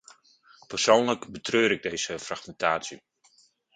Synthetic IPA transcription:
pərsoːnləkbətrøːɾɪɡ̚dejz̥əfraxmɛntʰaːsji

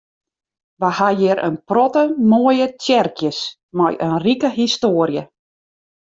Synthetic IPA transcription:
ʋahajɪɾə̰nprɔtəmoəjətɛrkjəs | ma̰jʔənrikəɦistoəɾjə

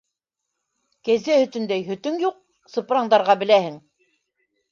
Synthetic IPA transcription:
kæzæhɵ̆t̪ɵ̆nd̪æjɦɵ̆t̪ɵŋjuq̚ | sɤ̆pɾɑɴd̪ɑɾʁɑbɘ̆læhɘŋ

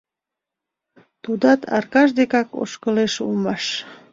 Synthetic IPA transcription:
t̪ud̪ɑt̪ʰɑ̰rkɑʒd̪ekɑko̰ʃkəleʃṵlmɑʃ

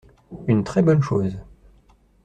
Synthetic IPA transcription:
ynt̪χɛbɔnʃoːz

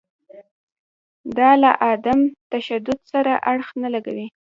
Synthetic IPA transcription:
d̪ɑla̰ʔɑd̪amt̪aʃad̪ʊd̪saɾaʔaɽxnalaɡa̰wi

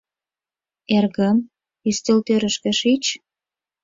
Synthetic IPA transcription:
erɣəm | yst̪elt̪øɾə̆ʃkĕʃit͡ɕ

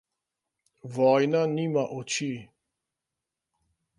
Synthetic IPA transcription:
ʋɔːjnaniːmaʔɔt͡ʃi

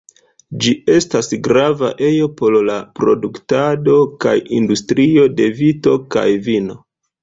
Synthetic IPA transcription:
d͡ʒie̞stasɡɾava̰ʔe̞jo̞po̞llapɾo̞duktado̞ka̰jindustɾio̞de̞vito̞ka̰jvino̞

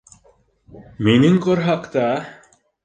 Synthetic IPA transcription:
miniŋkɔɾɦaqt̪a

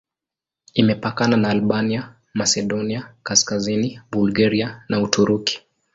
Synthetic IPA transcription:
imɛpakananaːlɓania | masɛɗɔniakaskazinibulɡaɾianautʰuɾuki̥

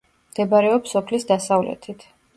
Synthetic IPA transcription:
md̪̥ɛbaɾɛɔpsɔpʰlisd̪asavlɛ̰t̪ʰit̪ʰ

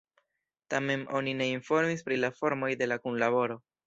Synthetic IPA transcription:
tame̞no̞nine̞info̞ɾmispɾilafo̞ɾmo̞jde̞lakunlaβo̞ɾo̞

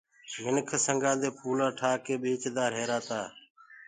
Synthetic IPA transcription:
jɪnkʰːsəŋɡãːd̪eːpuːlãːʈʰaːkeːɓeːt͡ʃd̪aːɾɦeːɾaːt̪aː

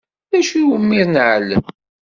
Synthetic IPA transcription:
ðæʃiwəmːiɾnʕlːə̰m

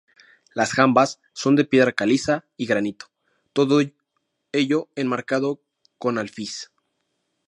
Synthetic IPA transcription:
lasxambasː | o̞nd̪epje̞ðɾakalisaiɣɾanit̪o̥ | t̪o̞ðo | e̞ʝo̞enmaɾkað̞o̞ | ko̞nalfis

